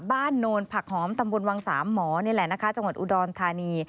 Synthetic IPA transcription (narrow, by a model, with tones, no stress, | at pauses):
baː˥˩nːoː˧npʰa˨˩k̚hɔː˩˦mt̪a˧mbu˧nwa˧ŋsa̰ː˩˦mːɔː˩˦ni˦˥˨lɛ˨˩na˦˥kʰa˦˥t͡ɕa˧ŋwa˨˩t̪̚ʔu˧dɔː˧nt̪ʰaː˧niː˧